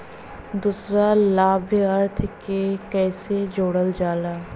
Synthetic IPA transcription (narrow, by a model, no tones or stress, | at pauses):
d̪uːsɾalaːbʱɐɾt̪ʰkekɛːsed͡ʒoːɽəld͡ʒaːlaː